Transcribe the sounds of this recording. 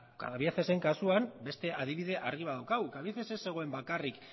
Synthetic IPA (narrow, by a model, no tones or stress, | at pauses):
ka̰βiaθe̞seŋkasuambe̞st̪e̞ʔaðiβiðe̞ʔaɾɣiβ̞aðawkawkaβjaθese̞se̞ɣ̞o̞e̞mbakarik